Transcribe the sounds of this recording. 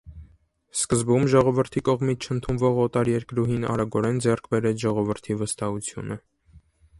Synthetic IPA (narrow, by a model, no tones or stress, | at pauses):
skəzbumʒɔʁɔvəɾt̪ʰikɔʁmit͡sʰt͡ʃʰənt̪ʰunvɔʁɔt̪ɑɾjɛɾkɾuɦinɑ̰ɾɑɡɔɾɛnd͡zɛrkʰbɛɾɛt͡sʰʒɔʁɔvəɾt̪ʰivəst̪ɑhut͡sʰjṵnə